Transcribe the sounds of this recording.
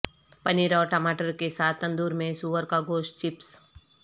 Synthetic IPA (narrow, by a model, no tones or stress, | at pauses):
pɐniɾɔːɾʈəmaːʈəɾkesaːt̪ʰːə̃nd̪uːɾmẽsuːʋəɾkaɡoːʃʈt͡ʃɪps